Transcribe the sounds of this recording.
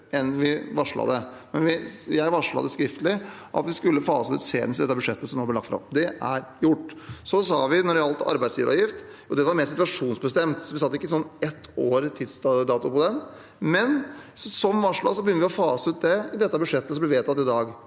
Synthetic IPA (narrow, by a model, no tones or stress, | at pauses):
ɛnʋɪʋɑʂɭɑ̰d̪ɛmɛnʋɪjæɪʋɑʂɭɑ̰d̪ɛskɾɪft̪əlɪ | ʔɑ̰t̪ʋɪskʉlːəfɑːsəʉːt̪sḛːd̪nsd̪ɛt̪ːəbʉʂɛt̪ːəsɔmnoːb̪lɛlɑkt̪fɾɑ̰md̪ɛʔæɾjʊʈːsɔsɑ̰ːʋɪnɔɖɛɑlt̪ɑ̰ɾbæɪd̪sjiːʋəɾɔ̰jɪft̪ | ɔd̪ɛʋɑɾmeːɾsɪt̪ʋɑʂuːnsbəst̪ɛmt̪sɔʋɪsɑt̪ːɪkːəɪsɔnːɛt̪ʰːoːɾt̪ʰɪd̪st̪ɑd̪ɑːt̪ʊpɔd̪ɛn | mɛnsɔmʋɑʂɭɑ̰sɔbəjʏnːəʋɪɔfɑːsəʉːt̪̚d̪ɛɪd̪ɛt̪ːəbʉʂɛt̪ːəsɔmblɛʋeːt̪ʰɑt̪ːɪd̪ɑːɡ